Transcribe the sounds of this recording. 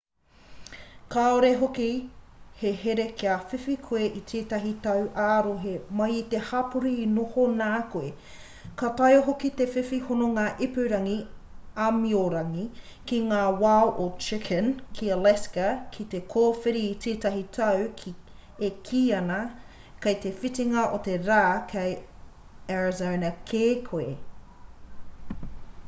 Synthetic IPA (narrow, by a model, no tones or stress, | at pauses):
kaoɾeɦokiheɦeɾekiafifikʰoeʔit̪ʰeːtɐɦit̪ɐwʔaːɾoɦemɐjit̪ehapuɾiːnohonaːkoe | katɐjoɦokit̪efifihonoŋaːʔipʉɾɐŋiamioɾɐŋi | kiŋaːwawʔot͡ʃɪkʰənkʰiɐlɛskɐkʰit̪ekʰoːfeɾiːtʰeːtɐɦitʰɐwkʰ | ekʰiːɐnɐ | kɐjt̪efitiŋɐʔot̪eɾaːkʰɐj | ɛɹzawnɐkʰeːkʰoe